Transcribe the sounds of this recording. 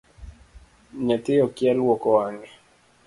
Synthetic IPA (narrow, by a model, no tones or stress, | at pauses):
ɲatɪɔkjalwɔkɔwaŋɡɛ